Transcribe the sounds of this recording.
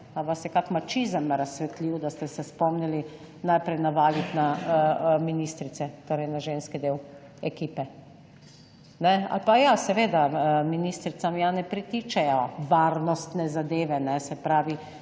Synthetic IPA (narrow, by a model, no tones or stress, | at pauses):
aʋasjɛkakmat͡ʃizəmɾasʋɛt̪liwd̪ast̪ɛsɛspɔmnili | najpɾɛjnaʋaːɡit̪na | minist̪ɾit̪sɛt̪oːɾɛjnaʒenskid̪eːw | ɛkiːpɛ | nɛa̰lpajasɛʋeːd̪aminist̪ɾit̪samjanɛpɾit̪it͡ʃɛjɔʋaɾnɔst̪nɛzad̪eːʋɛnɛsɛpɾaːʋi